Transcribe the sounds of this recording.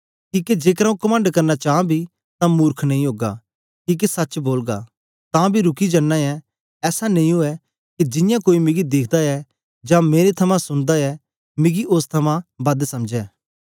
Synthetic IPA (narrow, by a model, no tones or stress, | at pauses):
kiːked͡ʒeːkɾaũkɐmə̃ɳɖkɐɾnat͡ʃaːãbʱi | t̪ãmuːɾkʰnɐ̃ĩɦoːɡa̰ | kiːk̬esɐtːt͡ʃboːlɡa̰ | t̪ãːbʱiɾʊkid͡ʒɐnːaɛ | ɛːsanɐ̃ĩɦoɛ | kid͡ʒɪjãkoːimɪ̃ɡid̪ɪkʰd̪aɛ | d͡ʒãmeːɾet̪ʰɐmãsʊnd̪aɛ | mɪɡiʔost̪ʰɐmãbɐd̪sɐmd͡ʒɛː